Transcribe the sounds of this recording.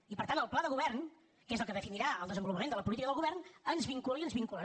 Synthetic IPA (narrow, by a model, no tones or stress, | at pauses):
ipəɾt̪anəlˠplaðəɣuβɛrn | kezəlˠkəðəfiniɾaəlˠd̪əzəmbulupəmenələpulit̪ikəðəlˠɣuβɛrnənzβiŋkuliənzβiŋkulə